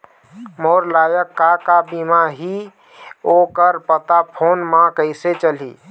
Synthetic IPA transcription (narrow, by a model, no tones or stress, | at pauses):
moɾlajəkːakabimaɦi | okəɾpət̪apʰonmãkəɪset͡ʃəlḭ